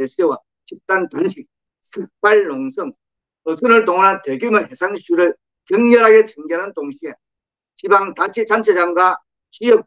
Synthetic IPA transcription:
eɕʰewa | t͡ɕip̚t͈antanɕʰik̚ | sʰɯk̚p͈aɭːoŋsʰʌŋ | ʌsʰɯnɯɭtoŋanɦanteɡjumɯnhesʰaŋɕʰuɾɯɭ | kjʌŋɲʌɾɦaɡet͡ɕɯŋɡeɾantoŋɕʰie | t͡ɕibaŋtat͡ɕʰit͡ɕant͡ɕʰed͡ʑamɡwa | t͡ɕijʌk̚

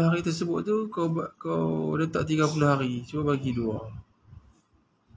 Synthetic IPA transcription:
ɦaɾit̪ərsəbʊt̪̚t̪ukkawdət̪aʔt̪iɡapulʊhaɾisəbaʔ̚baɡidua

